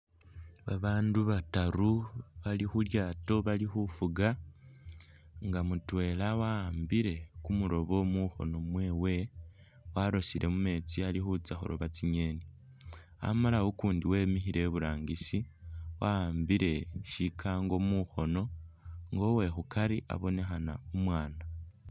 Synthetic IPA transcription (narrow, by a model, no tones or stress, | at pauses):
βaβaːnduβataɾuβalixuljaːto̞βalixufuɡa | ŋɡamutwe̞ːlawambiɾe̞kumuɾo̞βo̞muxo̞̰no̞mwe̞ːwe̞ | waɾo̞siɾʔe̞mume̞ːt͡sialixut͡saxo̰ɾo̰βat͡siɲe̞ni | a̰malawokuːndiwe̞ːmixiɾe̞βuɾaːŋɡisiwaːmbiɾe̞ʃikʰaŋɡo̞muxo̞no̞ŋɡo̞we̞xukaɾiʔa̰βo̞ne̞xanaomwaːna